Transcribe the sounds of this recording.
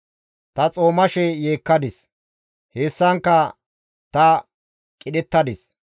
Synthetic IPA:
t̪ɐt͡sʼo̞ːmɐʃɛjeːkːɐd̪ɪs | heːsːɐŋkːɐ | t̪ɐ | kʼɪɗɛt̪ːɐd̪ɪs

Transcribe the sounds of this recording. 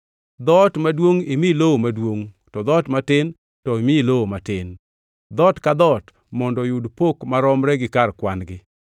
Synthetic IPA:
d̪ɔtmadwoŋimiloomadwoŋ | tɔd̪ɔtmatɪn | tɔimiloomatɪn | d̪ɔtkad̪ɔt | mɔndɔjudpokmaɾɔmɾɛɡɪkarkwanɡɪ

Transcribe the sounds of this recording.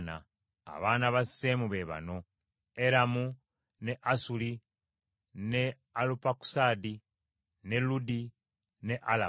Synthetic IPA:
na̰ː | βaːnaβasːeːmuβe̞βa̰no̞ | eɾamu | ne̞ʔasuli | ne̞ | alupaku̥sadi | ne̞ludi | ne̞ʔala

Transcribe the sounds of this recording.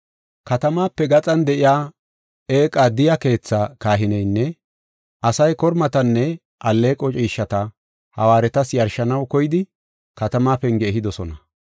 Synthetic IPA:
kɐt̪ɐmaːpːɛɡɐt͡sʼɐnd̪ɛʔɪjaː | e̞ːkʼːad̪ɪjɐke̞ːt͡sːakaːɦɪnɛjnːɛ | ʔɐsɐjkɔɾmɐt̪ɐnːɛ | ʔɐlːe̞ːkʼɔt͡ʃʼiːʃːɐt̪ɐ | hɐ̰waːɾɛt̪ɐsjɐɾʃɐnɐwkɔjɪd̪ɪ | kɐt̪ɐmaːpɛŋɡeːhɪd̪ɔsɔnɐ

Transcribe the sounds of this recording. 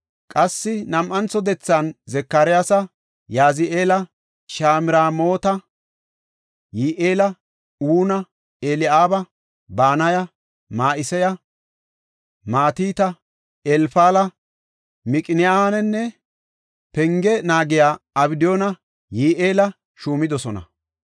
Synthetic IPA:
kʼɐsːɪnɐmʔɐnt͡sɔd̪ɛt͡sːanzɛkːaɾɪjasɐ | jaːzɪʔeːlɐ | ʃaːmɪɾaːmo̞ːt̪ɐ | jiːʔeːlɐ | uːnɐ | eːlɪʔaːbɐ | baːnɐjɐ | maːʔɪsɛjɐ | maːt̪iːt̪ɐ | ɛlfaːlɐ | mɪkʼɪnɪjaːnɛnːɛ | pɛŋɡɛnaːɡɪjaːɐbɪd̪ɪjoːnɐ | jiːʔeːlɐ | ʃuːmɪd̪ɔsɔnɐ̰

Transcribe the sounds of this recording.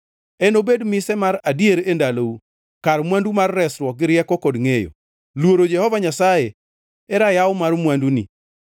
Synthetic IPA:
ɛnobedmɪsɛmaɾadjeɾendalou | kaɾmwandumarːɛsɾwɔk̚ɡɪɾjɛkɔkɔdŋejo̰ | lwoɾod͡ʒɛhɔvaɲasaje | ɛɾajawmarmwandunḭ

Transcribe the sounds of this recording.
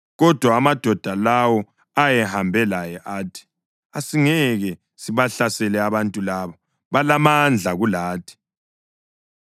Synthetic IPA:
ɣɔd̥ʱwaːmad̥ʱɔd̥ʱalawɔ | ajɛhambʱɛlajɛʔaːtʰi̥ | asiŋɛɣɛ | siβaɬasɛlɛaβantʼulaβa | βalamand͡ɮʱaɣulaːtʰi̥

